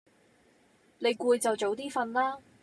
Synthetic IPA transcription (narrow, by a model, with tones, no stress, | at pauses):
le˨˧jkuː˧jt͡sɐ˨wt͡so˨˧wt̪iː˥fɐ˧nlaː˥